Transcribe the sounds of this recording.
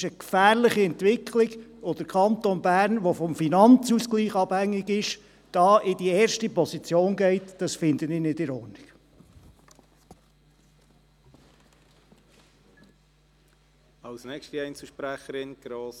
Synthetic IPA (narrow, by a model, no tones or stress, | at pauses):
ʃəkfæːɾlɪχiɛnt̪ʋɪkχlɪɡod̥̪əɾkʰɑnt̪onbæːɾnʋɔfɔmfinɑnt͡suskliːχɑb̥hæŋːɪɡɪʃ | d̥ɑːʔɪd̥iɛːɾʃtipɔsit͡sjoːnɡɛɪtd̥ɑsfɪnd̪ənɪnɪdɪɾɔrnɪɡ̥ | ɑlsnɛkʃtiɛɪnt͡sl̩ʃpɾæχəɾɪnɡ̥ɾoːs